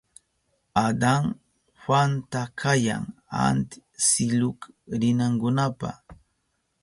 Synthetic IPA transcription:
ad̪aŋ | hwant̪akʰaja̰ŋa̰nt̪ɪsɪlʊkɾɪnaŋkʊnapa̰

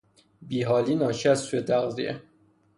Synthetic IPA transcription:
biːɦɒːliːnɒːʃʰiːæzsujet̪ʰæɣzḭe

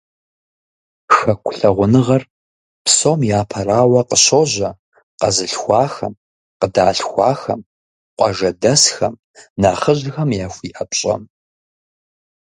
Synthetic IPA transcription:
xɐkʷʰʊɬɐʁʷʊnɨʁɐr | psomjaːpʰɐraːwɐqəɕoʑɐ | qɐzɨɬxʷɑːxɐm | qədaːɬxʷɑːxɐ̰m | qʷʼɑʒɐdɐsxɐm | naːχəʑxɐmjaːxʷiːʔɐpɕʼɐ̰m

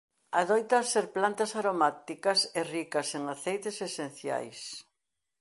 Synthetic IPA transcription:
aðojt̪ɐseɾplant̪ɐsaɾomat̪ikɐserikɐseŋaθejt̪esesẽn̟θja̰js

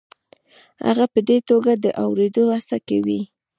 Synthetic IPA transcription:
ha̰ɣapəd̪et̪oɡad̪əʔawɾed̪oasakawi

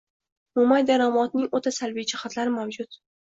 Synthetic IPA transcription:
mʊmajd̪aɾamɒt̪nɪŋot̪ʰasalvid͡ʒɪχat̪laɾɪmawd͡ʒʊt̪

